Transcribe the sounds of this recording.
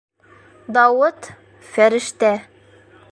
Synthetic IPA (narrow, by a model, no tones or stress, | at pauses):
d̪ɑwɤt̪ | fæɾɘ̆ʃt̪æ